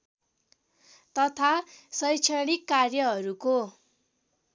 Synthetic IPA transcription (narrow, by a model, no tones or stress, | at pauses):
t̪ʌt̪ʰasʌjt͡sʰaɽikːarjʌɦʌɾuko